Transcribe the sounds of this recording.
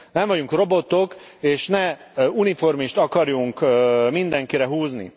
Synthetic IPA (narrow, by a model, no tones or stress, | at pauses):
nɛɱvɒɟuŋkro̞bo̞t̪o̞keːʃnɛunifo̞rmiʃt̪ɒkɒɾjuŋkmind̪ɛŋkiɾɛɦuːznḭ